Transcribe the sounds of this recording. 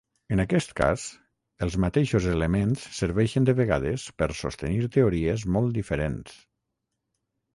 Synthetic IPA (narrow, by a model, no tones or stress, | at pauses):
ənakɛst̪ka̰s | əlˠzmat̪eʃozeləmensːəɾβɛʃənd̪əβəɣa̰ðəspəɾso̰st̪əniɾt̪əoɾiəzmɔlˠt̪d̪ifəɾens